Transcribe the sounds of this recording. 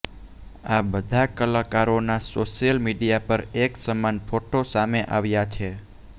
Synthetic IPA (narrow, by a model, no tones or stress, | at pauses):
abəd̪ʱakəlakaɾonasoʃijəlmiɖijapəɾeksəmanfʰoʈosameʔaʋjat͡ʃʰe